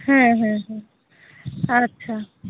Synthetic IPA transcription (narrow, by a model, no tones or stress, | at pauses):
ɦɛ̃ɦɛ̃ɦɛ̃ | ɐtːʃʰa